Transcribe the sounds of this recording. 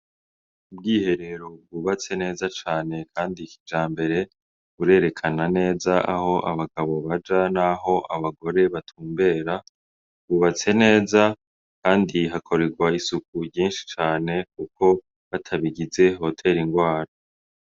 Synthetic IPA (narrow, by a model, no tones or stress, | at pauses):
ubɡiːhe̞ɾe̞ɾo̞b̚ɡuβat͡se̞ne̞ːzat͡ʃaːne̞kʰaːndikid͡ʒaːmbe̞ɾe̞ | βuɾe̞ːɾe̞kʰanane̞ːzaʔaho̞ʔa̰βaɡaβo̞βad͡ʒanaɦo̞ʔaβaɡo̞ɾe̞βatʰuːmbe̞ːɾa | ɡuβat͡se̞ne̞ːza | kaːndiɦakʰo̞ɾeɡwaisuk̚uɟiːnʃi̥t͡ʃaːne̞k̚uko̞ | βatʰaβiɡize̞ɦo̞tʰe̞ɾiŋɡwaːɾa